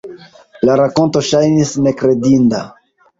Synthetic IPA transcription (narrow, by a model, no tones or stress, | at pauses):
laɾako̞nto̞ʃajnisne̞kɾe̞dinda̰